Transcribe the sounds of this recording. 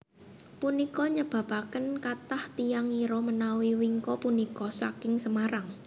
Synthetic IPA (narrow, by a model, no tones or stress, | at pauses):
punikɔɲəb̥a̤pakənkat̪aht̪ijaŋiɾɔmənawiwiŋkɔpunikɔsa̰kɪŋsəmaɾaŋ